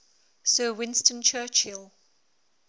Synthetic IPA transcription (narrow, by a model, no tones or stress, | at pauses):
sɜːwɪ̃nstə̃nt͡ʃʰɜːˑt͡ʃhɪlˠ